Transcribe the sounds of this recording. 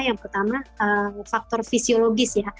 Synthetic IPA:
jaŋpərt̪amaəfak̚t̪ɔrfisioloɡɪsja

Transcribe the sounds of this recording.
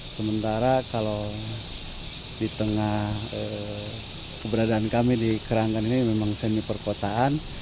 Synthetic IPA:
səmənt̪aɾakalo | dit̪əŋah | ə | kəbəɾadaːnkamidikəɾaŋaninimemaŋsɛnipərkot̪aan

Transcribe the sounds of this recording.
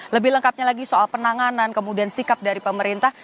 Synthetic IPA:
ləbɪhləŋkap̚ɲalaɡisoalpənaŋanankəmudiansikap̚daɾipəməɾint̪ah

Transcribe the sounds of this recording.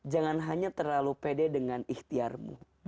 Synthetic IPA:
d͡ʒaŋanɦaɲat̪ərlalupedɛdəŋaniht̪iarmṵ

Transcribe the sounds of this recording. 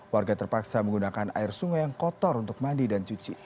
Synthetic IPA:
warɡat̪ərpaksaməŋɡunakana̰ɪrsuŋɔjaŋkɔt̪ɔrunt̪ʊk̚mandidant͡ʃut͡ʃi

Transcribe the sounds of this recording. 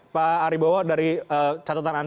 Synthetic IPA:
paːɾibowɔdaɾiət͡ʃat̪at̪anan

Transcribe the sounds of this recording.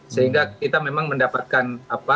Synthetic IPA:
səɦiŋɡakit̪amemaŋməndapat̪̚kanapa

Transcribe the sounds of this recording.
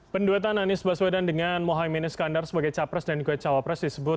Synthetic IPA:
pənduɛt̪ananɪsbaswedandəŋanmoɦajminɪskandarsəbaɡajt͡ʃapɾɛsdand͡ʒuɡat͡ʃawapɾɛsdisəbʊt̪̚

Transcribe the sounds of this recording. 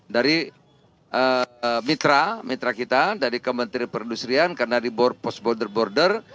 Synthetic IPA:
daɾi | ʔəmit̪ɾamit̪ɾakit̪adaɾikomənt̪iɾpəɾindusɾiankarnadibɔrpɔs̚bɔrdərbɔrdər

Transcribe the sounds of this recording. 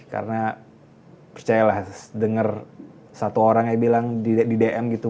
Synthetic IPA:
ka̰ɾəna | pərt͡ʃajalahdəŋər | sat̪uoɾaŋjabilaŋdideʔɛmɡit̪u

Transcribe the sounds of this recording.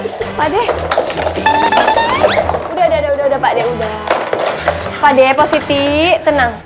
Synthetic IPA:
padɛh̪ | udaudaudaudaudapadɛudah | padɛposit̪it̪ənaŋ

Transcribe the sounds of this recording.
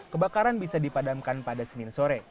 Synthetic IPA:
kəbakaɾanbisadipadamkanpadasənɪnsoɾɛ

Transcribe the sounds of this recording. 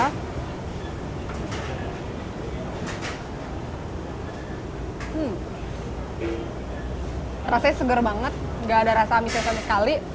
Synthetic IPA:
m̩ | rasasəɡərbaŋət̪̚ŋɡaːdaɾasamisasaməskali

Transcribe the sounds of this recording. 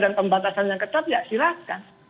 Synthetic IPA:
danpəmbat̪asanjaŋkət̪ap̚jaʔsiɾakan

